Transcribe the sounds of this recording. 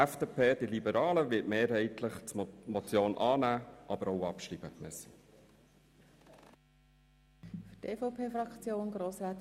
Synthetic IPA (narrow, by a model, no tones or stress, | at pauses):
æfd̥eːpʰeːd̥ilibəɾɑːləʋɪtmeːɾɦɛɪtləχt͡smɔt͡sjoːnʔɑːnæːʔɑb̥əɾɔʊɑpʃɾibə̰mœsːə | fyteːfoʊpʰeːfɾɑkt͡sjoːnɡɾoːsɾæːt̪